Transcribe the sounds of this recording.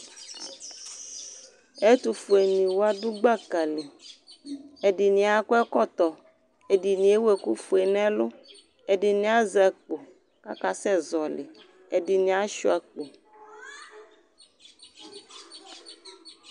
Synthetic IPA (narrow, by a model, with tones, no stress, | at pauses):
e˦t̪u˨fu˨e˨nĩ˨wo˦a˦du˦ɡ͡ba˦ka˨le˨ | e˨di˨nĩ˨a˨ko˦ɛ˦kɔ˦t̪ɔ˨ | e˨di˨nĩ˨˦e˦we˨ku˦fu˨e˨nɛ̃˦lo˦ | e˨ɖi˨nĩ˨˦a˦za˨k͡po˨ | ka˦ka˨sɛ˦zɔ˨lḛ˨ | e˨di˨nĩ˨˦a˦ʃu˦a˨k͡po˨